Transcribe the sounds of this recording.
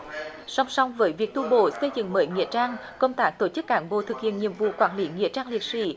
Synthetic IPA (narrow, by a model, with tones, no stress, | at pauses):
sa˧wŋ͡msa˧wŋ͡mvəː˨˦jvi˨˩ək̚t̪u˧ɓo̰˧˨sə˧jzɨ̰˧˨ŋməː˨˦jŋḭ˧˨ət͡ɕaː˧ŋkə˧wŋ͡mt̪aː˦˥k̚t̪o˧˩t͡ɕɨ˦˥k̚ːaː˨˦nɓo̰˧˨t̪ʰɨ˨˩k̚hḭ˧˨ənɲi˧˨əmvṵ˧˨kwaː˧˩nli˨˦ŋḭ˧˨ət͡ɕaː˧ŋli˨˩ət̚sḭ˧˩˥